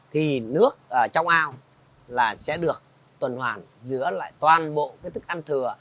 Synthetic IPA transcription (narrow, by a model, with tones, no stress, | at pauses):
t̪ʰi˨˩nɨ˦˥ək̚ʔəː˨˩t͡ɕɔ˧wŋ͡mʔaː˧w | laː˨˩sɛ̰˧˥ɗɨ˨˩ək̚ | t̪wə˨˩nhwaː˨˩n | zɨ̰˧˥əla̰ː˧˨jt̪waː˨˩nɓo̰˧˨kaː˨˦jt̪ʰɨ˦˥k̚ʔa˧nt̪ʰɨ˨˩ə